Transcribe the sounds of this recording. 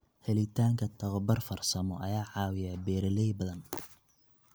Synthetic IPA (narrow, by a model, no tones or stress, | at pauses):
hɛlɪt̪ʰaːŋkʰɐt̪ʰɐwɐbɐrfɐrsɐmɔʔɐjaːʕɑːwɪjabɛːɾɐlɛjbɐðɐn